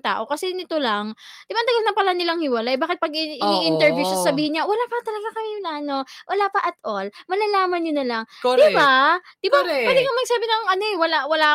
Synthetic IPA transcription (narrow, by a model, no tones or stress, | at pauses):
t̪a̰ːʔo̞kɐsɛnɪt̪olaŋd̪ɪbaɐnt̪ɐɡɐlnɐpɐlanɪlɐŋhɪwɐlaʔbaːkɪt̪̚pɐɡ̚ɪʔɪniʔɪnt̪ɛɹvjusɐsɐbiːhɪnɲawɐlapɐt̪ɐlɐɡakɐmɪlaːnowʔɐlaːpɐʔɐt̪ʔolmɐlalaːmɐnɲonɐlaŋkːd̪ɪbad̪̥ɪbawɛːd̪ɪkɐmɐɡ̚saːbɪnɐŋɐno̞ʔɛwɐlawɐlaː